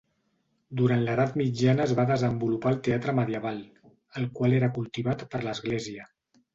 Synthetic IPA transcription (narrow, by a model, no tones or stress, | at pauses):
d̪uɾant̪ləðat̪mid͡ʒanəːzβaðəzəmbulupaːlˠt̪eat̪ɾəməðiəβ̞alˠ | əlˠkwaleɾəkulˠt̪iβat̪pəɾləzɣleziə